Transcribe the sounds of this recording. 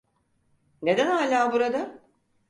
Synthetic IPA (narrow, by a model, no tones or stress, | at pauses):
ne̞d̪ænhaːlʲaːbuɾad̪a